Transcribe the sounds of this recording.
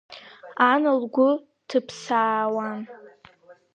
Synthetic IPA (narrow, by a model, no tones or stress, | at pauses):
anɨlɡʷʊ | tʰɨpʰsaːwan